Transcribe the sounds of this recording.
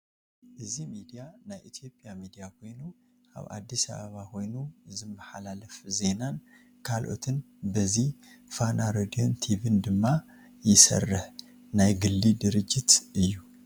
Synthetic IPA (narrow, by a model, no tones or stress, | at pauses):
ʔɨzimid̪ijanajʔit̪ʰjo̞pʼjamid̪ijaho̞jnu | a̰βa̰d̪ːisa̰βaβaho̞jnuɨzɨmbaħa̰laləfze̞nan | kʰalʔo̞̰t̪ʰɨn | bəzih | fanaɾad̪io̞nt̪ʰivɨnd̪ɨmːa | jɪsə̰rːɨh | najɡɨlːid̪ɨɾɨd͡ʒːɪt̪ɨjːu